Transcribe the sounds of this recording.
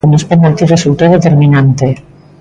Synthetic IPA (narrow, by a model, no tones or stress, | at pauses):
unespanalt̪iresult̪oðet̪eɾmĩnant̪e